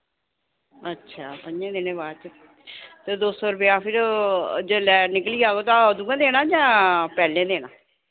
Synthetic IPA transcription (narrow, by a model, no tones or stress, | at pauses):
ətːʃʰaːpəɲẽːd̪enẽːbaːt͡ʃ | t̪ed̪oːsɔːɾʊp̬eaːpʰɪɾd͡ʒəlɛːnɪkliːaːɡoːt̪ãːəd̪uːãːd̪eːnaːd͡ʒãːpɛːlẽːd̪eːñãː